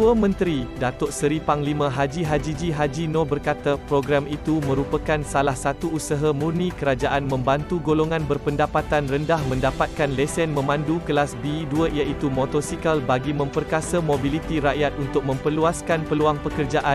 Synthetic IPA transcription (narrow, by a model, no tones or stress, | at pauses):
ət̪uamə̃nt̪ɾidat̪ɔʔsəɾipaŋlimãɦad͡ʒiɦad͡ʒid͡ʒiɦad͡ʒinõbərkat̪apɾoɡɾamit̪umə̃ɾupakansalahsat̪uusaɦamurnĩkəɾad͡ʒaʔanmə̃mbant̪uɡoloŋãnbərpəndapat̪anrəndahmə̃ndapat̪̚kanlɛsɛnmə̃mãndukəlasbiduəʔjaʔit̪umot̪ɔsikalbaɡimə̃mpərkasamobilit̪iɾaʔjat̪̚unt̪ʊk̚mə̃mpərluaskanpəluaŋpəkərd͡ʒaʔa